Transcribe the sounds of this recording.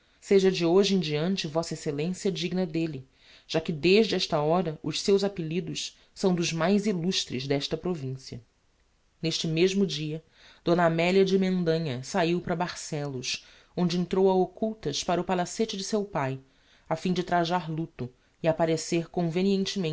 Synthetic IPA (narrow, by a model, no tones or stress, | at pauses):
seʒɐd͡ʒɪoʒɪẽd͡ʒiɐ̃nt͡ʃɪvɔsɐeselẽsiɐd͡ʒiɡnɐd̪elɪ | ʒ̥akɪd̪eʒd͡ʒɪɛʃt̪ɐɔɾɐʔʊʃsewzapɪlid̪ʊs | sɐ̃w̃d̪ʊʒmajziluʃt̪ɾɪzd̪ɛʃt̪ɐpɾovĩsiɐ̰ | neʃt͡ʃɪmeʒmʊd͡ʒiɐ | d̪̥õnamɛliɐd͡ʒɪmẽnd̪ɐ̃ɲɐsaiwpɾɐbaɾsɛlʊs | õnd͡ʒɪẽnt̪ɾowɐokuwt̪ɐspaɾɐʊpalaset͡ʃɪd͡ʒɪsewpaj | afĩd͡ʒɪt̪ɾaʒaɾlut̪ʊ | iapaɾeseɾkõveniẽnt͡ʃɪmẽ